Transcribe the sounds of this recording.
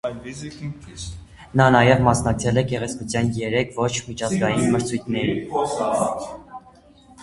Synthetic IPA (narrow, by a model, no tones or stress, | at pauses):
nɑnɑjɛvmɑsnɑk̚t͡sʰɛlɛkɛʁɛt͡sʰkut͡sʰjɑnjɛɾɛkʰvɔt͡ʃʰmit͡ʃʰɑzɡɑjinməɾt͡sʰujt̪ʰnɛɾi